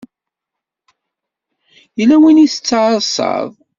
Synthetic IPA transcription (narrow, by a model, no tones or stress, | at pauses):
jəlæwiniθə̥t͡sːʕəsˤɑ̰ðˤ